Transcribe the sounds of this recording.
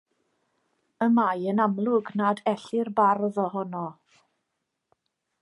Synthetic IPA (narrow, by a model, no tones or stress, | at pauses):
əmajənamlˠʊɡnadɛɬɪrbarðɔɦɔnɔ